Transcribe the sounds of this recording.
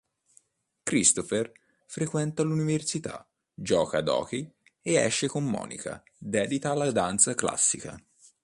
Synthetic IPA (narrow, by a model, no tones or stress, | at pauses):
kɾist̪ofer | fɾekwɛnt̪aluniversit̪a̰ | d͡ʒɔːkad̪ɔ̰ːki | eɛ̰ʃːekomːɔ̰ːnḭka̰ | d̪ɛːd̪it̪aːlːad̪ant̪sakla̰sːika̰